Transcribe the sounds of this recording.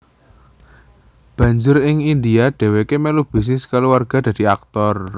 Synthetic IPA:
b̥ä̤ɲd͡ʒʊɾɪŋind̪iaɖ̪̥ɛ̤wekemɛlub̥i̤s̬nɪskaluwarɡ̥a̤d̪̥a̤d̪̥i̤ak̚t̪ɔr

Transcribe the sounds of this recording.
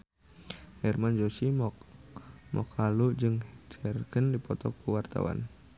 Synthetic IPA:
hɛrmand͡ʒosi | mɔ̰kʰalud͡ʒɨŋt͡ʃɛrkənldipɔt̪ɔkuwart̪a̰wa̰n

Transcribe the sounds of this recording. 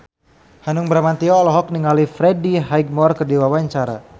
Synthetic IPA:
hanʊŋbəɾamant̪iɔːlɔɦɔk̚niŋalifɾɛdiɦajɡ̚mɔrkərdiwawaɲt͡ʃaɾa̰

